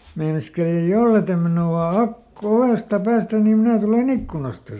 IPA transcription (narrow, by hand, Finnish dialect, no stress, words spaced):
meinɑskeli jɑ jolːe tem minuɑ ɑk oʋeˑstɑ pæːstæn nim minæ tulen ikːkunɑstɑ